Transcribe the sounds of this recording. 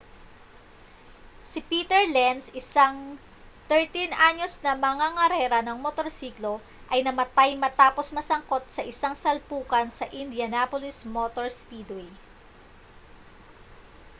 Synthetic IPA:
sɪpiːt̪ɛɹlɛnsɪsaŋ | t̪ɛɹt̪inʔaɲo̞snɐmɐŋaŋɐɾɛːɾɐnɐŋmot̪o̞ɾsiːklo̞ | ʔɐjnɐmɐt̪ajmɐt̪aːpo̞smɐsɐŋko̞t̪̚sɐʔɪsaŋsɐlpuːkɐnsɐʔɪnd̪jɐnapolismot̪oɹspid̪wej

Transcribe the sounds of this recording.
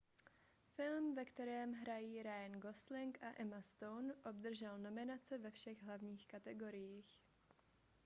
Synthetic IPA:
fɪlmvɛkt̪ɛɾɛːmɦɾajiːɾajnɡoslɪŋkaʔɛmast̪ownʔo̞bd̪r̩ʒɛlno̞mɪnat͡sɛvɛfʃɛɣɦlavɲiːxkat̪ɛɡo̞ɾɪjiːx

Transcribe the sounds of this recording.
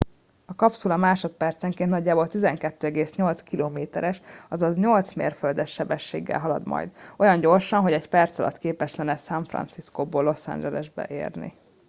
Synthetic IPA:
ɒkɒpsulɒmaːʃo̞t̪̚pɛrt̪sɛŋkennɒɟːaːbolt̪izɛŋkɛt̪ːøːɛɡeːsɲo̞lt̪skiloːmeːt̪ɛɾɛʃɒzɒzɲo̞lt̪smḛːrføld̪ɛʃːɛbɛʃːḛːɡːɛ̰lɦɒlɒ̰d̪mɒ̰jd̪o̞jɒɲɟo̞rʃɒnɦo̞ɟɛɟpɛrt̪sɒlɒ̰t̪keːpɛʃt̪lɛnːɛsɛɱfrɒ̰nsiskoboːlo̞sa̰nɲd͡ʒɛlɛ̰ʒbɛ̰ʔḛːrnḭ

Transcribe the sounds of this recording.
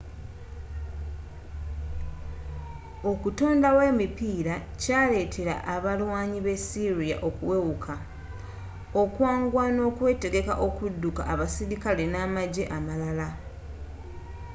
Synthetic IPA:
o̞kuto̞ːndawe̞ːmipiːɾacaːle̞ːtʰe̞ɾa̰ʔaβalwaːɲiβe̞siɾija̰ʔo̞kuwe̞wukʰa | o̞kwaːŋɡwano̞ːkwe̞ːte̞ɡe̞ka̰ʔo̞kudːuka̰ʔːβasiɾikalenaːmaɟe̞ʔamalala

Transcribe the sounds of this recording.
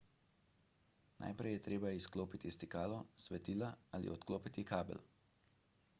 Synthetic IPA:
na̰jpɾɛjɛt̪ɾeːbaiskloːpit̪ist̪ikaːlɔsʋɛt̪iːlaaːlḭɔt̪kloːpit̪ikaːbɛ̰l

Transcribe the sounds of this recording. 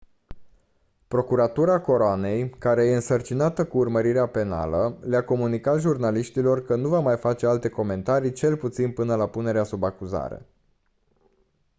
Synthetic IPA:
pɾo̞kuɾat̪uɾako̞ɾoane̞jkaɾe̞je̞ɨnsərt͡ʃinat̪əkuːrməɾiɾeape̞na̰ləleako̞munikat̪ʒurnaliʃt̪ilo̞rkənuvamajfat͡ʃe̞alt̪e̞ko̞me̞nt̪aɾijt͡ʃe̞lput̪sinpɨnəlapune̞ɾeasubakuza̰ɾḛ

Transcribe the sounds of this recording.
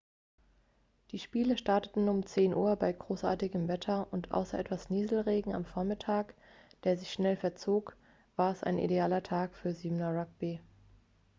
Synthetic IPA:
d̥iːʃpiːləʃtaɐtətn̩ʊmt͡seːnʔuːɐbaɪɡʁoːsʔa̰ːɐtɪɡəmvɛtʰɐʔʊntʔa̰ʊsɐʔɛtv̥asniːzl̩ʁeːɡŋ̩a̰mfoɐmɪtʰaːk | d̥eːɐzɪçʃnɛlfɛɐt͡soːk | v̥aːɐɛsa̰ɪnʔḭdeaːlɐtʰaːkfyːɐziːmnaʁak̚b̥i

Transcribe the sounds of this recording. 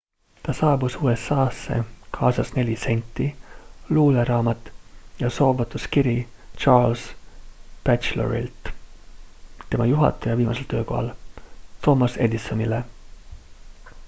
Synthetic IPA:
t̪ɑsɑːbusuːesːɑːsːe̞̰kʰɑːsɑsne̞lʲise̞nʲt̪ːiluːleɾɑːmɑt̪ˑːjɑso̞ːvɑt̪ːˑuskiɾit͡ʃɑːls | b̥æt͡ʃlo̰ɾḭlt̪ | t̪e̞mɑjuɦɑ̰t̪ːˑɑjɑviːmɑse̞lt̪ø̞ːko̞̰hɑ̰lt̪ʰo̞mɑse̞d̪isːonile

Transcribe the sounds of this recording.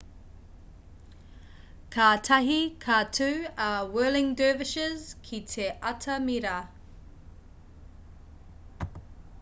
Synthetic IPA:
kʰaːtʰɐɦikʰatʰʉːawɜːlɪŋdøːvɪʃəzkʰitʰeʔɐtʰɐmiɾɐ

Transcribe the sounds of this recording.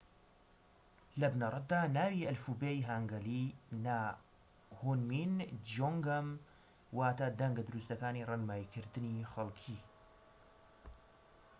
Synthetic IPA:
lɐbnɐrˤɑt̪̚d̪aːnaːwiʔɐlfuːbeːjɦaŋɡɐlina | hunmind͡ʒoŋɡɐm | waːt̪ad̪ɐŋɡɐd̪uɾust̪ɐkaːnirˤɑnmaːjikʰɨɾd̪ɨniːχɐlkʰiː

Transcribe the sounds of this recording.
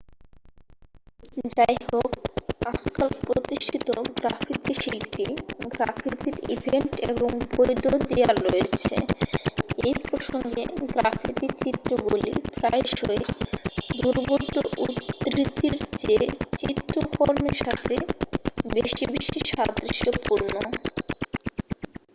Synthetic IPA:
d͡ʑajhokaskalpɾot̪iʃʈʰit̪oɡɾafʰit̪iʃilpiɡɾafʰit̪iɾḭbʱeɳʈḛboŋbojd̪od̪ejaɾojet͡ɕʰḛ | ejpɾoʃoŋɡeɡɾafʰit̪it͡ɕit̪ːɾoɡolḭpɾaeʃoe | d̪uɾbod̪ːoʔut̪ːɾit̪ːiɾd͡ʑet͡ɕit̪ɾokoɾmeɾʃat̪ʰe | beʃibeʃiʃad̪ɾiʃopuɾno

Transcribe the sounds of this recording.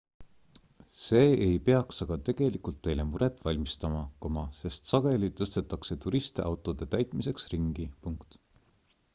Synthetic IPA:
se̞ːejpe̞ɑksɑɡ̥ɑt̪e̞ɡ̥e̞likult̪ːe̞jle̞muɾe̞t̪ːˑvɑlʲmist̪ɑmɑkomɑse̞st̪sɑɡ̥e̞lit̪ɤst̪e̞t̪ːˑɑkse̞t̪uɾist̪eʔɑwt̪ˑo̞d̪̥e̞t̪æjt̪ˑmise̞ksriŋɡ̥ipuŋkt̪

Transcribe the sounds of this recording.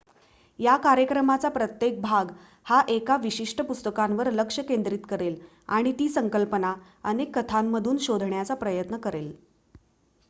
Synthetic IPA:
jakaɾjəkɾəmat͡sapɾət̪jek̚bʱaɡ | haʔekaʋiɕiʂʈəpust̪əkamʋəɾləkʂəkend̪ɾiːt̪kəɾel | a̰ɽ̃it̪iːsəŋkəlpəna | ənekːət̪ʰamːəd̪ʱuːnɕod̪ʱɳjat͡sapɾəjət̪nəkəɾel

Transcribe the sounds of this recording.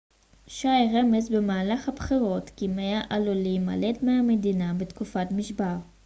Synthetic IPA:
ʃajʁemezbemaːlaχhabχiʁo̞tkimejaʔaluliima̰ledmeamedinabetkufatmiʃbaʁ

